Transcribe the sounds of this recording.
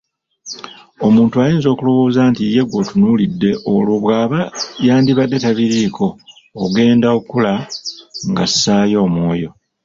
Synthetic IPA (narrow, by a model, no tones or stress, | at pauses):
o̞muːntuajiːnzo̞ːkulo̞βo̞ːzaːntije̞ɡo̞tunulidːe̞ʔoloβwaːβajaːndiβadːe̞taβiɾikʰo̞ː | ɡe̞ːndaokula | ŋɡasːaːjo̞ːmwo̞ːjo̞